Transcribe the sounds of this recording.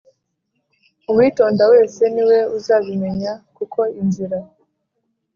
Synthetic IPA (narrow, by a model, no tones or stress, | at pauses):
umwiːto̞ːndawe̞ːse̞niwe̞uzaːβime̞ɲakuko̞inziɾa